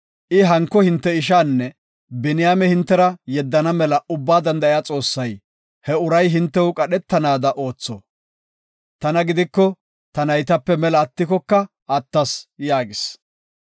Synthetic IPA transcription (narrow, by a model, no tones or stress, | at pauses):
ʔɪɦɐŋkːɔhɪnt̪ːɛɪʃaːnːɛ | bɪnɪjaːmɛhɪnt̪ːɛɾɐjɛd̪ːɐnɐmɛlɐʊbːaːd̪ɐnd̪ɐɪjaːt͡sʼo̞ːsːɐj | hɛʊɾɐjɦɪnt̪ːɛʊkʼɐɗɛt̪ːɐnaːd̪ɐʔo̞ːt͡sːɔ̰ | t̪ɐnɐɡɪd̪ɪkːɔ | t̪ɐnɐjt̪ɐpːɛmɛlɐːt̪ːɪkɔkːɐ | ɐt̪ːɐsjaːɡɪs